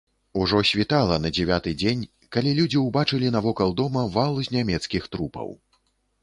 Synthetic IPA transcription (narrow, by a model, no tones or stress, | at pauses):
uʐɔsʲvʲit̪alˠɐnɐd͡zʲɛvʲat̪ɨd͡zʲenʲ | kalʲilʲud͡zʲiwbat͡ʂɨlʲin̪ɐvɔkɐlˠd̪ɔmɐvalˠuzʲnʲamʲɛt̪skʲixt̪ɾupɐ̰w